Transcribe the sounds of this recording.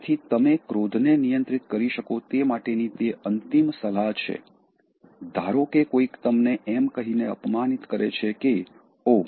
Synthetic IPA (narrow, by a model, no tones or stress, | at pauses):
t̪ʰit̪əmekɾod̪ʱnenijə̃nt̪ɾit̪kəɾiʃəkot̪emaʈenit̪eənt̪imsəlat͡ʃʰḛ | d̪ʱaɾokekoikt̪əmneʔɛmkəɦineə̰pmanit̪kəɾet͡ʃʰeke | o